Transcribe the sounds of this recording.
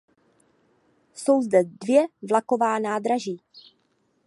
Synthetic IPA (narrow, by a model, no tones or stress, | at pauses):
so̞wzdɛdvjɛvlako̞vaːnaːd̪ɾaʒiː